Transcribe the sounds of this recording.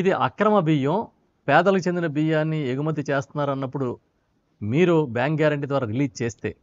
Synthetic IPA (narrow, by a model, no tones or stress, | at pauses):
id̪iʔɐ̰kɾɐmɐbijɐ̃ | pɛːd̪ɐlɐkut͡ʃe̞nd̪inɐbijaːnːieɡumɐd̪ʱːit͡ʃeːst̪unːaːɾɐnːɐpːuɽu | miːɾubjaːŋkɡaːɾɐɳʈid̪ʋaːɾaːɾiliːd͡ʒt͡ʃeːst̪e̞̰ː